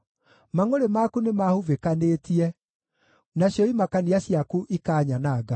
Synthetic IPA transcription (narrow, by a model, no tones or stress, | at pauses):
maŋoɾemakunemahuvekanetiɛ | naɕjɔimakaniaɕjakuʔikaːɲanaːɡa